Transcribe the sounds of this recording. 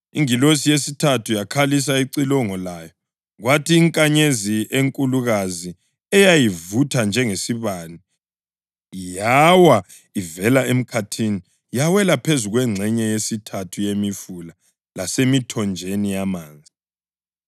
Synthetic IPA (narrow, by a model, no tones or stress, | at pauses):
ḭŋilos̬ijesitʰatʰujakʰalis̬aiǀilɔŋɔlaːjɔ | ɣwatʰiːŋkʼaɲezieŋkʼuluɣazi | ɛjajivutʰand͡ʒʱɛŋesiβani | jawa | ivɛlaem̩kʰatʰini | jawɛlapʰezuɣwɛŋ͡ǀʱɛɲɛjesitʰatʰujemifula | lasemitʰɔnd͡ʒʱenijamaːnd͡zʱi